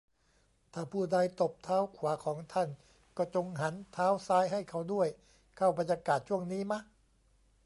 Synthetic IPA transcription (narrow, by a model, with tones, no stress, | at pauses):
t̪ʰaː˥˩pʰuː˥˩da˧jt̪o˨˩p̚t̪ʰaː˦˥wkʰwaː˩˦kʰɔː˩˦ŋt̪ʰa˥˩n | kɔː˥˩t͡ɕo˧ŋɦa˩˦nt̪ʰaː˦˥wsaː˧jɦa˥˩jkʰa˥˩wdu˥˩əj | kʰa˥˩wba˧nja˧kaː˨˩t̪̚t͡ɕʰu˥˩əŋniː˦˥ma˦˥k